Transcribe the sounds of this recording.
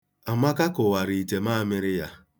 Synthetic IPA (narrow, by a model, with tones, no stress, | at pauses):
a˨ma˦ka˦kʊ˨wa˨ɾi˨i˨te˨ma˦mɪ˦ɾɪ˦ja˦